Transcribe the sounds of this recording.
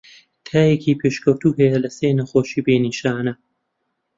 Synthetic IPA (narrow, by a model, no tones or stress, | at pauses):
t̪ʰaːjekiːpʰeːʃkɐwt̪uːɦɐjɐlɐseːnɐxoːʃiːbeːniːʃaːnɐ